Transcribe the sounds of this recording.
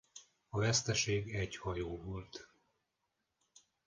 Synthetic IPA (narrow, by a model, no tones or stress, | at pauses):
ɒvɛst̪ɛʃeːɡɛɟhɒjoːvo̞lt̪